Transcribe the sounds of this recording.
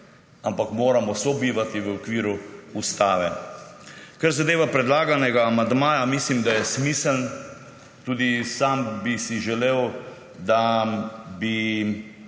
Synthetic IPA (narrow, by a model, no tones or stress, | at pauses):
ampakmoːɾamɔsɔbiːʋat̪iʋəɔkʋiːɾuust̪aːʋɛ | kaɾzad̪eːʋapɾɛd̪laːɡanɛɡaːmand̪maːjamislimd̪ajɛsmiːsəln | t̪uːd̪isaːmbisiʒɛleːw | d̪a | bi